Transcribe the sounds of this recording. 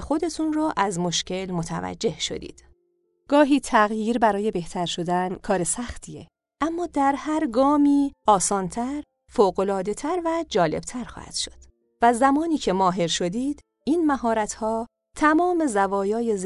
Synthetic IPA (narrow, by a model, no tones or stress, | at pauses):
xo̞d̪e̞t̪ʰunrɔːʔæzmoʃce̞lmo̞t̪ʰæ̰væ̰d͡ʒːe̞hʃo̞̰d̪ḭːd̪̥ | ɡ̥ɒːɦiːt̪ʰæɣjiːɾbæɾɒːje̞be̞ht̪ʰæɾʃo̞d̪ænkʰɒːɾe̞sæxt̪ʰije | ʔæmːɒːd̪æɾhæɾɡɒːmiːʔɒːsɒːnt̪ʰæɾ | foːɣo̞lɒːd̪e̞t̪ʰæɾvæd͡ʒɒːle̞̰b̥t̪ʰæɾxɒ̰ːhæ̰d̪̥ʃo̞̥d̪̥ | væzæmɒːniːcʰe̞mɒːɦe̞ɾʃo̞d̪iːd̪̥ | ʔiːnmæɦɒːɾæt̪ʰhɒː | t̪ʰæmɒːme̞zævɒːjɒːje̞z